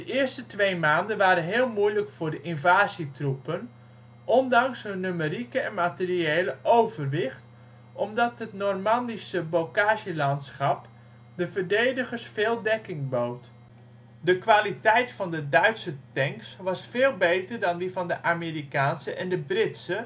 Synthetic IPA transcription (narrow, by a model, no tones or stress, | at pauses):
d̥əʔɪərstətʋejmaːndənʋaːɾənɦɪːlˠmujləkfʊːrdəʔɪnvaːzitrupən | ʔɔndɑŋsɦənːymərikəɛnmatɪrieːləʔowvərʋɪχt | ʔɔmdɑtɦətnormɑndisəbowkaːʒəlɑntsχɑp | dəvərdejdəɣərsfeːlˠdɛkɪŋbowt | dəkʋaːlitɛjtfɑndədœɥtsətɛŋksʋɑsfeːlˠbejtərdɑndivɑndəʔaːmeːrikaːnsəʔɛndəbrɪtsə